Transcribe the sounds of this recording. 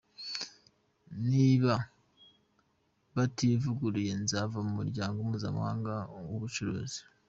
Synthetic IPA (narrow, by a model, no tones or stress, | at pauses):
niβa | βativuɡuɾije̞nzavamumuɾɟaːŋɡomuːza̰mṵha̰ːŋɡawoβut͡ʃuɾo̰ːzi̥